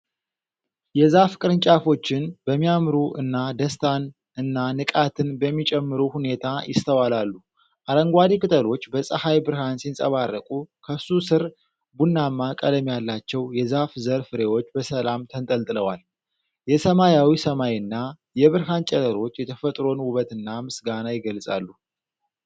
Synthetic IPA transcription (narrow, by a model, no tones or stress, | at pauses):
jɛzafkʼɨɾɨnt͡ʃʼafo̞t͡ʃːɪnb̥əmːijamɾuʔɨnːad̪əst̪ʰan | ɨnːanɨkʼat̪ʰɨnbəmːit͡ʃʼɛmːɨɾuhune̞t̪ʰajɪ̰st̪ʰəwalalːu | ʔaɾəŋɡʷad̪ikʼɨt̪ʰʼəlo̞t͡ʃːbəsʼəhajbɨɾhansinsʼə̰βarːəkʼukʰəsusɨɾ | bunːamːakʼələmjalːat͡ʃːɛwjɛzafzəɾfɨɾe̞wo̞t͡ʃːbəsəlamt̪ʰənt̪ʼəlt̪ʼɨləwal | jɛsəmajawisəmajɨnːa | jɛβɨɾɦant͡ʃʼɛləɾo̞t͡ʃːjɛt̪ʰəfət̪ʼɾo̞nwʊβət̪ɨnːamɨsɡanajɪɡəlsʼa̰lːu